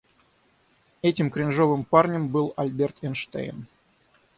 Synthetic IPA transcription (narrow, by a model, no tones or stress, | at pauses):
ɛtʲɪmkɾʲɪnʐo̞vɨmparnʲəmbɨlˠɐ̰lʲbʲert̪ɛnʂt̪ḛɪn